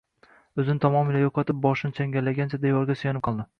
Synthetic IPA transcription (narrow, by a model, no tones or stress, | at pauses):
ɵzɪnɪt̪ʰɒmɒmilajoqʰɒt̪ɪp̚bɒʃɪnɪt͡ʃʰaŋɡʲalːaɡʲant͡ʃʰad̪ejɒɾɡʲasʊjɒnɪp̚qʰɑlˠd̪ɪ